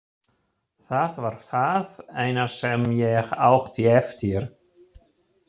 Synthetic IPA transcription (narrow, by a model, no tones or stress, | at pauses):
θaðvaɾ̥θaðeːjnasɛmjɛɣawxt̪iɛft̪ɪɾ̥